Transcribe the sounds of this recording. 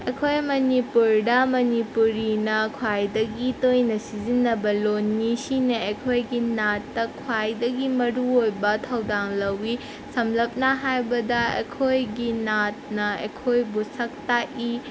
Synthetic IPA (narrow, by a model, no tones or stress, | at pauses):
ḛkʰojmɐnipuɾdɐmɐnipuɾinɐkʰwajdɐɡitojnɐsizinːɐbɐlonːisinɐekʰojɡinatːɐkʰwajdɐɡimɐɾuojbɐtʰɐwdaŋlɐwi | sɐmlɐp̚nɐɦajbɐdɐḛkʰojɡinat̚nɐḛkʰojbusɐk̚taʔi